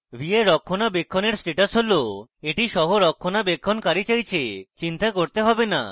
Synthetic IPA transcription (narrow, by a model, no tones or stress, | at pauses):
bʱieɾɔkʰːonabekʰːoneɾsɾiʈasɦoloeʈiʃɔɦoɾɔkʰːonabekʰːonkaɾit͡ɕajt͡ɕʰet͡ɕint̪akoɾt̪eɦɔbena̰